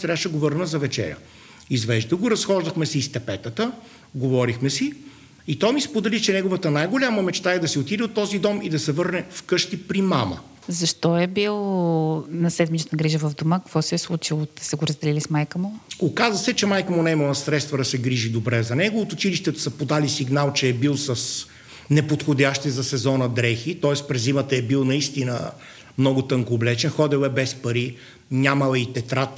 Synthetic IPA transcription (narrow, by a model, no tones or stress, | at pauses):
t̪ɾʲaʃɛɡovɤɾnəzɐvɛt͡ʃɛ̰ɾʲə̰ | izvɛʒd̪əɡoɾɐsxɔʒd̪ɐxmɛsist̪ɛpɛt̪ət̪ə | ɡovɔɾixmɛsi | it̪ɔjmispod̪ɛlit͡ʃɛnɛɡovət̪ənajɡolʲaməmɛt͡ʃt̪aɛd̪ɐsɛot̪id̪ɛot̪ːɔzid̪ɔmid̪ɐsɛvɤɾnɛfkɤʃt̪ipɾimamə̰ | zɐʃt̪ɔɛbilˠ | nɐsɛd̪mit͡ʃət̪nɐɡɾiʒəvɐvd̪omakəkvɔsɛːslˠut͡ʃilˠot̪ɛ̥sɛɡoɾəzd̪ɛlilismajkəmʊokazvəsɛt͡ʃɛmajkəmonɛiməlˠəsɾɛt̪st̪vɐd̪ɐsɛɡɾiʒid̪obɾɛzɐnɛɡovot̪oʊːt͡ʃiliʃt̪ɛt̪ʊ̥sɐpod̪alisiɡnalˠt͡ʃɛːbilˠsɐs | nɛpot̪xodʲaʃt̪izɐsɛzɔnəd̪ɾɛxit̪ɔɛspɾɛzimət̪ɐɛbilˠnɐist̪inə̰ | mnɔɡʊt̪ɤŋkoːblɛt͡ʃɛnxɔd̪ɛlɛbɛspɐɾi | nʲamɐlˠəit̪ɛt̪ɾat̪